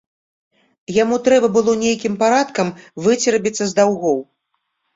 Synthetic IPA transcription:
jamut̪ɾɛbɐbɨlˠɔnʲejkʲimpaɾat̪kɐmvɨt͡sʲiɾɐbʲit̪sːɐzd̪awɣɔw

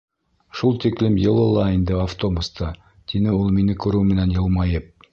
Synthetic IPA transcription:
ʃulˠt̪iklɘmjɤ̆lˠɤ̆lˠɑind̪ɘaft̪o̞bust̪ʰɑ | t̪inɘulˠminɘkʉɾɘwmɘ̆nænjɤ̆lˠmɑjɤp̚

